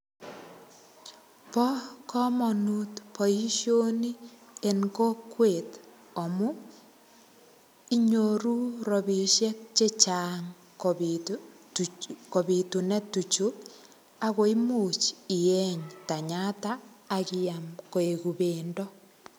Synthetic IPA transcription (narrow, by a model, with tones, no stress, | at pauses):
pɔ˦kɔ˦mɔ˨nutpɔ˨i˦ʃjo˦ni˦e˨ŋko˦kwe˨t | ɔ˨mu˦ | i˦ɲo˨ɾu˦ɾɔ˨bi˨ʃjɛ˦k̚t͡ʃe˦t͡ʃaːŋ | ko˨bi˨tu˨nɛ˦tːu˨t͡ʃu | a˦ko˨i˦mut͡ʃi˨jɛ˦ɲta˨ɲa˦taː˨kijamko˨e˨ku˨bendɔ˦